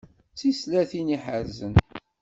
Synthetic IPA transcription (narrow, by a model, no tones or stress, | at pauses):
t͡sːislæθiniħəɾzən